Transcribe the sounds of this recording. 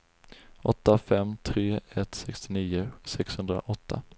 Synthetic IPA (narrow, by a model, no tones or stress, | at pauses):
ʔɔt̪ːafɛmt̪ʰɾeːɛt̪sɛkst̪ɪniːʊsɛkshɵnd̪ɾa̰ʔɔt̪ʰːa̰